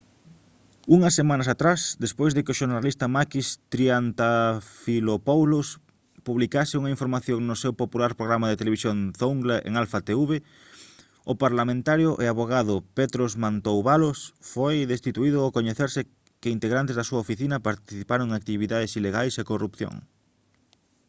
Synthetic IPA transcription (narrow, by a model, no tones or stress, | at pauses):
uŋɐsːemãnɐsat̪ɾasd̪espojzðekɪʊʃoɾnalist̪ɐmakist̪ɾiant̪afilopawlos | puβlikasɪuŋɐiɱfoɾmaθjoŋnʊsewpopulaɾpɾoɣɾamaðet̪eleβisjoŋθouŋɡlaʔḛŋalfat̪euβe | ʊpaɾlamẽnt̪aɾjʊʔeaβoɣaðʊpet̪ɾozmant̪owβalosfojðest̪it̪uiðʊokoɲeθeɾsɪ | kɪint̪eɣɾant̪ezðasuɐofiθinɐpaɾt̪iθipaɾõŋak̚t̪iβiðaðesileɣajsekorupθjo̰ŋ